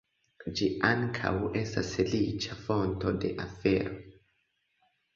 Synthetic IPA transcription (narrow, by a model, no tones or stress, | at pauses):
d͡ʒiʔaŋkʰa̰we̞stasfelit͡ʃafo̞nto̞de̞ʔafe̞ɾo̞